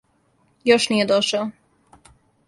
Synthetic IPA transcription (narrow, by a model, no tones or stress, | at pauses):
joʃniːjed̪oʃao